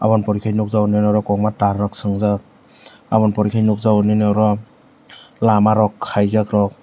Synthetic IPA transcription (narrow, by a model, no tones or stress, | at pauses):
a̰βɔnpɔɾikʰajnuk̚zawninɔɾɔkɔŋmataɾːak̚sɯŋzak̚ | abɔnpɔɾikʰajnuk̚zawninaɾɔ | lamaɾɔkʰːajzakɾɔk̚